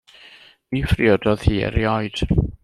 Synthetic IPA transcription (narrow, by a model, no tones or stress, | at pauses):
mifriɔdɔð̥hiːɛ̰ɾjɔjd̥